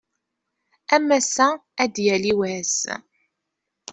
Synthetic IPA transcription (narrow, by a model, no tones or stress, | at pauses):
æmæsææd̪jæliwæs